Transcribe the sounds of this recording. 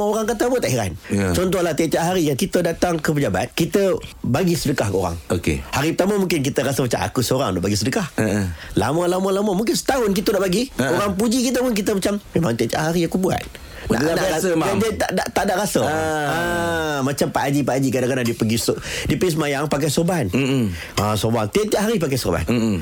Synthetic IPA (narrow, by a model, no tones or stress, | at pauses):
maoɾaŋkat̪əbuat̪ːaʔhiɾa̰nt͡ʃɔnt̪̬ɔhlaht̪iat̪iaʔɦaɾijaŋkit̪ədat̪aŋkəpəd͡ʒaba̰t̪̚kit̪əbaɡisədəkahkəo̰ɾa̰ŋokḛhaɾipət̪aməmuŋkɪnk̬it̪əɾasəmat͡ʃa̰ma̰kusəoɾa̰ŋdaʔbaɡisədəkahla̰malamalamamũŋkɪnsə̥t̪aɦʊnkit̪ədaʔbaɡioɾaŋp̬ud͡ʒikit̪əpʊnkit̪əmat͡ʃammemãŋt̪aʔt̪ia̰ʔɦaɾiakubua̰t̪̚ | a̰aaaad͡ʒat̪aʔdaʔt̪aʔdaʔɾasəəmat͡ʃampaʔad͡ʒipaʔad͡ʒikadaŋkadahdipəɡisdipəɡis̬əmajaŋpak̬ajsoban | asorbaŋt̪iaʔt̪iaʔɦaɾip̬ak̬ajsorba̰n